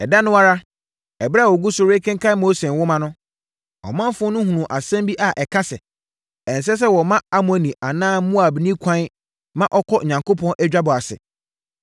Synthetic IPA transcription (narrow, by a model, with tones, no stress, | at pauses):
ɛ˨da˦nʊ̃˦wa˦ɾa˦ | ɛ˨bɾa˦˨ɔ˨ɡu˦sʊ˨ɾe˦kʰɛ̃˦ŋkʰa˦moː˦se˨wʊ˦mã˨nʊ̃˦ | ɔ̰˨mã˦m˦fʊ̃˦nʊ̃˦hũ˨nũ˨ʔa˨sɛ̃˦mbi˦ʔa˨ʔɛ˨kʰa˦sɛ˨ | ɛ̃˨n˨s̬ɛ˦s̬ɛ˦wɔ˨mã˦a˦mʊ̃˨æ˨nĩ˨ʔa˨nãː˦mũ˦a˨bnĩ˦kʰã˦n˦ | mã˦ʔɔ˦kʰɔ˦˨ɲã˨ŋko˦pʰɔ̃˦nʔɛ˦d͡ʑᶣa˦bɔ˨a˨sɪ̰˨